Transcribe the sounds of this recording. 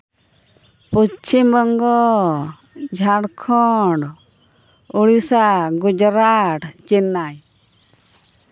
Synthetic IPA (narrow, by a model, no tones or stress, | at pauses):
put͡ʃʰimbɔŋɡɔ | d͡ʒʱaɽkʰɔɖ | uɽisaɡud͡ʒɾaʈt͡ʃɛnːaj